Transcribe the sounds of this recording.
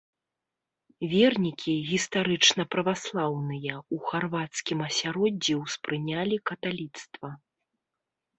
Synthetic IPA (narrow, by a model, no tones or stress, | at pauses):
vʲɛrnʲikʲʰiɣʲist̪aɾɨt͡ʂnɐpɾɐvaslˠawnɨjɐuxarvat̪skʲimɐsʲaɾɔd͡zʲːiwspɾɨnʲalʲikɐt̪alʲit̪st̪vɐ